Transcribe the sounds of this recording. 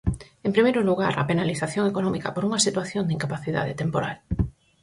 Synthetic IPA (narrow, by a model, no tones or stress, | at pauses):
empɾimejɾʊluɣa̰ɾɐ̰penaliθaθjoŋekonɔmikɐpoɾuŋɐsit̪waθjond̪iŋkapaθiða̰ðet̪empoɾal